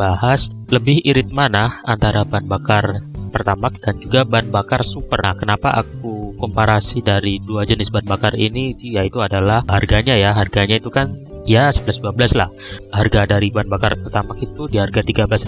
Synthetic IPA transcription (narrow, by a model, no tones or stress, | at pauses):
bahas | ləbɪhiɾɪt̪̚manahant̪aɾabanbakarpərt̪amak̚d̥and͡ʒuɡabanbakarsupərakənapa̰ʔa̰k̚ukɔmpaɾasidaɾiduad͡ʒənɪsbanbakarḭnijait̪uadalahharɡaɲajaɦarɡaɲait̪ukan | jasəbəlasduabəlasla̰h | harɡadaɾibanbakarpərt̪amakit̪udiharɡat̪iɡabəlas